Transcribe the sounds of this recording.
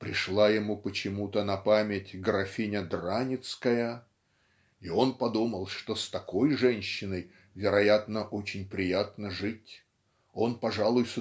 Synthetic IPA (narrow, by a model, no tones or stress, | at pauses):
pɾʲɪʂlˠajɪmupət͡ɕɪmut̪ənɐpamʲɪtʲɡɾɐfʲinʲəd̪ranʲɪt̪skəjə | io̞npɐd̪uməlˠʂt̪o̞st̪ɐko̞jʐɛnʲɕːɪnəj | vʲɪɾɐjat̪nəʔo̞t͡ɕɪnʲpɾʲɪjat̪nəʐɨt̚ʲ | o̞npɐʐalˠʊjs